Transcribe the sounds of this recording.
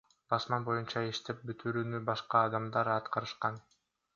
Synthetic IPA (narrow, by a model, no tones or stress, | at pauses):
bɑsmɑnbo̞junt͡ʃɑiʃt̪e̞p̚byt̪ʰyɾyːnybɑʃqɑːd̪ɑmd̪ɑɾɑt̪qɑɾɯʃqɑn